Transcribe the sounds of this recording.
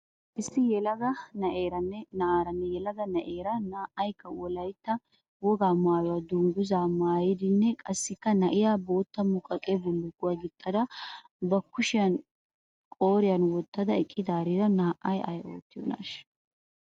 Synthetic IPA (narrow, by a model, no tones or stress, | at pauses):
ʔɪsːɪjɛlɐɡɐnɐʔeːɾɐnːɛnɐaːɾɐnːɛjɛlɐɡɐnɐʔeːɾɐnaːʔɐjkːɐwɔlɐjt̪ːɐ | wɔɡaːmaːjɔwaːd̪ʊŋɡʊzaːmaːjɪd̪ɪnːɛkʼɐsːɪkːɐnɐʔɪjaːbo̞ːt̪ːɐmːʊkʼɐkʼebɔlːʊɡʊwaɡɪt̪ʼːɐd̪ɐ | bɐkːʊʃɪjɐn | kʼo̞ːɾɪjɐnwɔt̪ːɐd̪ɐɛkʼːɪd̪aːɾiːɾɐnaːʔɐjɐ̰jo̞̰ːt̪ːɪjɔ̰na̰ʃ